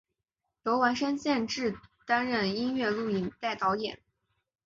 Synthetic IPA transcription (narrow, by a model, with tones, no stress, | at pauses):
t̪o˧˥ʊwa˧˥nʂə˥nɕjɛ˥˧nʈ͡ʂɻ̩˥˩t̪a˥nɻə˥˩ni˥nɥɛ˥˧lu˥˩i˨˩nt̪a˥˩ɪt̪ɑ˧˥ʊjɛ̰˨˩˦n